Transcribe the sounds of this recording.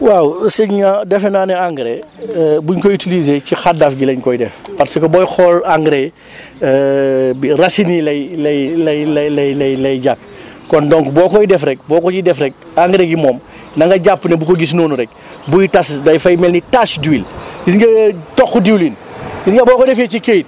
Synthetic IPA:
wawsɛɲɲadɛfɛnaːnɛaŋɡɾe | buɲkojitilizecixadɐfɟilɐɲkɔjdɛfpɐtsikobɔjxɔːlaŋɡɾe | biɾɐsinilɐjlɐjlɐjlɐlɐjlɐjlɐjɟapːi̥ | kɔndɔŋkbɔːkɔjidɛfɾɛk̚bɔːkɔɟidɛfɾɛk̚ | aŋɡɾeɡimɔːm | nɐŋɡɐɟapːnebukoɡis̬noːnuɾɛk̚ | bujitasdɐjfajmɛlnitaʃduwiljisŋɡɐtɔkːudiwlin | jisŋɡɐbɔːkɔdɛfecikejt̚

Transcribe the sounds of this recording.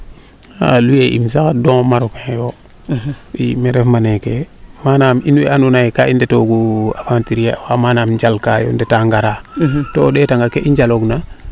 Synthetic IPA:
a̰lujeʔḭmsakadoŋmaɾokejo | imeɾefmanekemanaminwḭanunaikaindetoɡuafantiɾija̰wamanamɲd͡ʒalkajo̰ndetaŋɡaɾatoɗetaŋɡakeʔiɲd͡ʒaloɡna

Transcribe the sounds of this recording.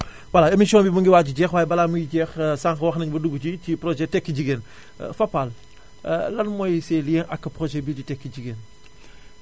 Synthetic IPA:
wɐlaemisiɔːnbibəŋɡiwaːiɟɛːxwaːjɛbɐlamujiɟɛːxsaŋxɐwɐxnɐɲbɐduɡut͡ʃicipɾɔʒɛtɛkːəɟiɡeːn̰ | fɐpːal | lɐnmɔjsɛlijɛnʔɐkːɐpɾɔʒɛbiɟitɛkːəɟiɡen

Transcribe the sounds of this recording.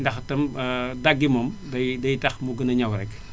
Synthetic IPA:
ndɐxtɐmdɐɡːimɔmdɐjdɐjtɐxmuɡənɐɲɐwɾɛk

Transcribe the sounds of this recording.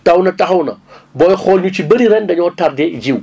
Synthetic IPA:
tʼɐwnɐtʼɐɦɐwnɐbojxolɲut͡ʃibɐɾiɾendɐɲotaɾded͡ʒiw

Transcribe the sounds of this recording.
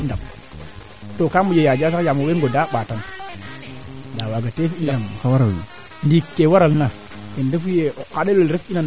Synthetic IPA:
indam | tokamujejad͡ʒas̬akjamoweŋɡodaɓatam | dawaɡatefinamkawaɾaḭ | ndikːewaɾalna | endefujekaɗeloɾefinan

